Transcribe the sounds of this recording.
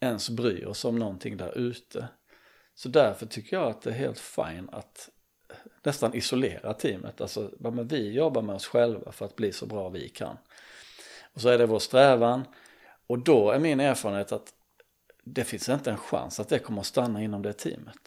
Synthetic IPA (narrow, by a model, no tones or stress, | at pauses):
ɛnsbɾy̰ːɔsɔmnɔnt̪ʰɪŋːd̪æ̰ɾʔʉ̟ːt̪ʰə | sɔd̪æɾfœʈʰʏkːəjɑat̪̚d̪ɛːɦḛːlt̪fa̰jna̰t̪ | nɛst̪anʔɪsʊlḛːɾat̪ʰiːmʔə̰t̪ʰa̰lsɔamɛnvɪjɔbːaɾmɛɔsɧɛlva̰fœɾat̪̚bliːsɔ̰bɾɑːvɪ̰kʰa̰nː | ɔsɔæɖɛvoːʂt̪ɾɛːvan | ɔd̪ɔæɾmɪneːɾfɑːɾənheːt̪at̪ | d̪ɛfɪnsɪnt̪əɛnɧa̰nsat̪̚d̪ɛkʰɔmːəɾɔst̪anːaɪnːɔmd̪ɛt̪ʰḭːmət̪